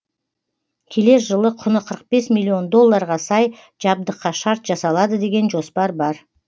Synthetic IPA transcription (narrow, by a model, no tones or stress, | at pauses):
kʲʰe̞le̞ɾʒəlˠəqʰʊnəqʰəɾəq̚be̞smilʲːio̞nd̪o̞lˠːɑɾʁɑsɑj | ʒ̥ɑb̚d̪əqːɑʃɑɾt̪ʒɑsɑlˠɑd̪əd̪e̞ɡʲe̞nʒo̞spɑɾbɑɾ